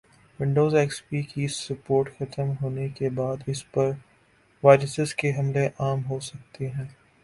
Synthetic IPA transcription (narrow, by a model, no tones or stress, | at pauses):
ʋɪ̃ɳɖoːzɛːkspikisɐpoːɾʈxɐt̪əmɦoːnekebaːd̪ɪspɐɾ | ʋaːɾəsɪskeɦɐmleʔaːmɦosɐk̚t̪eɦɛ̃ː